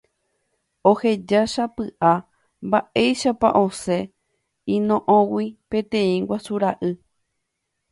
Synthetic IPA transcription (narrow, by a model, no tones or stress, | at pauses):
o̞he̞d͡ʒaʃapɨʔa | mbaʔe̞jʃapa̰ʔõ̞se̞ | ĩnõʔõwipẽ̞t̪ẽ̞ĩɡwasuɾaʔɨ